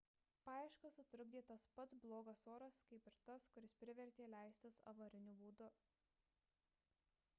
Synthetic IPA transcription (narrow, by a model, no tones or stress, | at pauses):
pɑːɪʃkɐsʊt̪ʲɾʊɡd̪ʲeːt̪ɐspɐt̪sblˠoːɡɐsoːɾɐskɐɪpɪɾt̪ɐskʊɾʲɪspʲɾʲɪʋʲɛɾʲt̪ʲeːlʲæˑɪsʲt̪ʲɪsɐ̰ʋɐɾʲɪnʲʊbuːd̪ʊ